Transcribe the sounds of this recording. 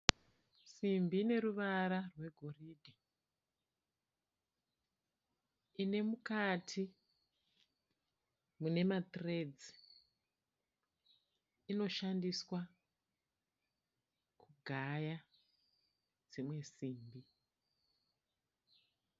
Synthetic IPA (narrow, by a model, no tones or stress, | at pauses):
simbine̞ɾuʋaɾarwe̞ɡʱo̞riːdʱa | ine̞mukatʰi | mune̞mat̪re̞d͡zi | ino̞ʃandiswa | kʰuɡʱaja | d͡zimwe̞siːmbi